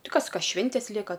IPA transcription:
ˈtʲɪ ˈkɐs ˈkɐ ˈʃʲʋʲɪnʲtʲeːs ˈlʲiɛkɐ

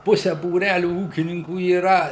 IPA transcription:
ˈpʊsʲɛ buːˈrʲælʲʊ ˈuːkʲɪnʲɪŋkuː iːˈrɐ

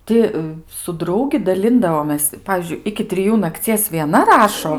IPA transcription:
ˈtʲɪ sʊ ˈdrɐʊɡʲɪ dɐˈlʲɪndɐʋoːmʲeːs ˈpɑːʋʲiːzʲd͡ʒʲʊɪ ɪkʲɪ tʲrʲɪˈjuː nɐkˈt͡sʲiɛs ʋʲiɛˈnɐ ˈrɑːʃoː

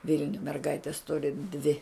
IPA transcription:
ˈʋʲɪlʲnʲʊj mʲɛrˈɡɐɪtʲɛs ˈtʊrʲɪ dʲʋʲɪ

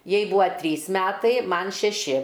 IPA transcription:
ˈjɛɪ ˈbʊʋoː ˈtʲrʲiːs ˈmʲæːtɐɪ ˈmɐn ʃʲɛˈʃʲɪ

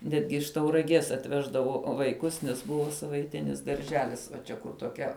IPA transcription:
ˈnʲæːdʲɡʲɪ ɪʃ tɐʊrɐˈɡʲiɛs ɐtʲˈʋʲæːʒdɐʋoː ʋɐɪˈkʊs nʲɛs ˈbʊʋoː sɐʋɐɪˈtʲɪnʲɪs dɐrʲˈʒʲæːlʲɪs ʋɐ ˈt͡ʃʲɛ kʊr toːˈkʲɛ

